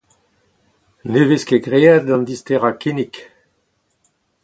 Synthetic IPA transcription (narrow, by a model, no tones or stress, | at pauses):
neveskeɡʁead̪̚ɑ̃nd̪ist̪eʁakinik